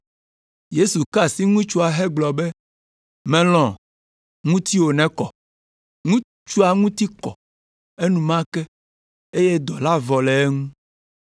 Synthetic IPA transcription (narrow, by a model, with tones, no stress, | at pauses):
je˦su˨ka˦si˦ŋũ˦t͡ʃu˦a˨ɦɛ˦ɡ͡blɔ˨be˦ | mɛ̃˨lɔ̃˨ | ŋũ˦t̪i˦wo˨nɛ̃˦kɔ˨ | ŋũ˦ | t͡ʃu˦a˨ŋũ˦t̪i˦kɔ̰˨ | e˦nũ˨mã˦kɛ˦ | e˦je˦d̪ɔ˨la˦vɔ˨lɛ˨e˦ŋũ˦